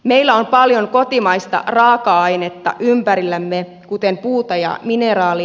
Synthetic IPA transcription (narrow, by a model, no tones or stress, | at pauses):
meilːæo̞mpɑljoŋko̞t̪imɑjst̪ɑ̰rɑːkɑɑjnet̪ːɑ̰ʔympæɾilːæmːe | kut̪empuːt̪ɑjɑ̰mineɾɑːli